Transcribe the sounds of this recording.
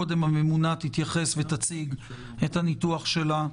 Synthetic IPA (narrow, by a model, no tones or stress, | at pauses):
od̪e̞mhame̞munat̪it̪jaχe̞svet̪at͡siɡ | et̪hanit̪uaχʃe̞la